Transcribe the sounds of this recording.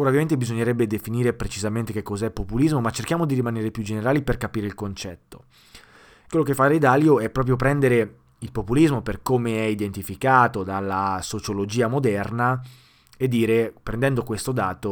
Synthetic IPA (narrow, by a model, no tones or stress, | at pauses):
oːɾavjamẽnt̪ebizoɲːeɾɛbːed̪efiniːɾepɾet͡ʃizament̪ekekːɔzɛpːopulizmomat͡ʃːerkjaːmod̪iɾimaneːɾepjud͡ʒeneɾaːliperkapiːɾeilkont͡ʃɛt̪ːo̥ | kwelːok̬efːaɾed̪aljoɛpɾɔːp̬ɾjop̬ɾɛnd̪eɾe | ilpopulizmoperkomeɛid̪ent̪ifikaːt̪od̪alːasot͡ʃolod͡ʒiːamod̪ɛrna | ed̪ːiːɾepɾend̪ɛnd̪okwest̪od̪aːt̪o